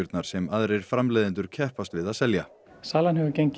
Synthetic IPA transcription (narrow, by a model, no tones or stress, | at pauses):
ʏɾt̪naɾ̥sɛmaðɾejɾ̥fɾamlejðɪnt̪ʏɾ̥cʰɛhpast̪vɪðaðsɛlja | saːlanɦɛvʏceɲc